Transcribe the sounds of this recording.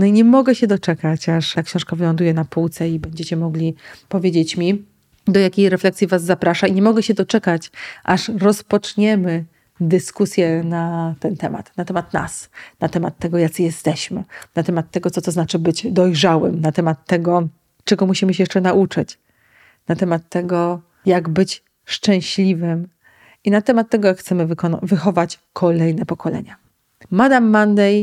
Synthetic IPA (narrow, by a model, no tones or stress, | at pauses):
nɔiɲɛmɔɡɛɕɛd̪ɔt͡ʂɛkat͡ɕaʂt̪akɕɔ̃w̃ʂkavɘlɔnd̪ujɛnapuwt̪sɛibɛɲd͡ʑet͡ɕɛmɔɡlʲipɔvʲjed͡ʑet͡ɕmʲi | d̪ɔjakʲejɾɛflɛksʲjivazːapɾaʂaiɲɛmɔɡɛɕɛd̪ɔt͡ʂɛkat͡ɕʔaʂɾɔspɔt͡ʂɲɛmɘ | d̪ɘskusʲjɛnat̪ɛnt̪ɛma̰t̪nat̪ɛmat̪na̰snat̪ɛmat̪ːɛɡɔjat̪sɨjɛst̪ɛɕmɘnat̪ɛmat̪ːɛɡɔt̪sɔt̪ɔznat͡ʂɘbɘd͡ʑd̪ɔjʐawɘ̰mnat̪ɛmat̪ːɛɡɔ | t͡ʂɛɡɔmuɕimɘɕɛjɛʂt͡ʂɛnaʔut͡ʂɘt͡ɕ | nat̪ɛmat̪ːɛɡɔ | jaɡbɘt͡ɕ | ʂt͡ʂɛ̃w̃ɕlʲivɘm | inat̪ɛmat̪ːɛɡɔjakxt̪sɛmɘvkɔnvɘxɔvat͡ɕ | kʰɔlɛjnɛpɔkɔlɛ̰ɲa | mad̪amːand̪ɛj